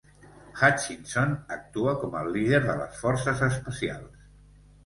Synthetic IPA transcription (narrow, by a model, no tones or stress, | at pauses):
xat͡ʃinsonək̚t̪uəkɔmə̰liðeɾðələ̰sfɔɾsəzəspəsia̰lˠs